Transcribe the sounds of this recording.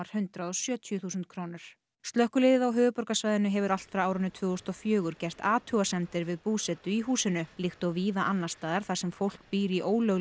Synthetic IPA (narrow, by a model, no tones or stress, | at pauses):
ɾ̥hʏnt̪ɾaðɔsjœːt̪ʰjʏθuːsʏnt̪̚kʰɾoːwnɪɾ̥ | st̪lœhkʏlɪːðɪðawɦʏːvʏpɔɾkasvaːjðɪnʏɦɛvʏɾal̥t̪fɾawaːwɾʏnːʏt̪ʰvʏːɣʏst̪ɔfjʏːɣʏɾcɛr̥t̪aːt̪ʰuɣasɛmt̪ɪɾvɪðpuːsɛt̪ʏiɦuːsɪnʏlɪxt̪ɔɣviːðaʔanːast̪aːðaɾ̥θḁsɛmfowl̥k̚piːɾiʔoːwlœɣ